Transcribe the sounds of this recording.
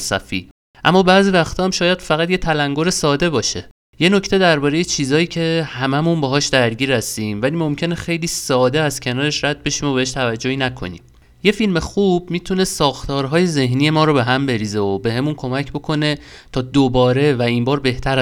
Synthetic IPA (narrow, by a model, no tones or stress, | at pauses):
sæ̰fḭː | ʔæ̰mːɒːbæːzivæxt̪ʰɒːæmʃɒːjæd̪̥fæɣæt̪je̞t̪ʰælæŋɡoɾe̞sɒːd̪e̞bɒːʃe | je̞no̞ct̪e̞d̪æɾbɒːɾejet͡ʃʰiːzɒːjiːcʰe̞hæmæmunbeɦɒːʃd̪æɾɟiːɾhæst̪iːmvæliːmo̞mcʰe̞nexe̞jliːsɒːd̪e̞æz̥cʲʰe̞nɒːɾe̞ʃɾæd̪̥̚be̞ʃiːmobeeʃt̪ʰævæd͡ʒːo̞hiːnækʰo̞̰nḭːm | je̞filme̞xuːb̥̚miːt̪ʰune̞sɒːxt̪ʰɒːɾɦɒːje̞ze̞ɦnije̞mɒːɾobe̞ɦæmbe̞ɾiːzeobe̞ɦe̞munkʰomæcʰbo̞kʰo̞ne̞t̪ʰɒːd̪obɒːɾe̞væimbɒːɾbe̞ht̪ʰæɾ